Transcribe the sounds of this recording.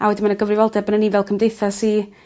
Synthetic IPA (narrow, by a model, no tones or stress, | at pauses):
awɛdimanəɡəvrɪvɔlˠdɛbənənivɛlˠkʰəmdejθasi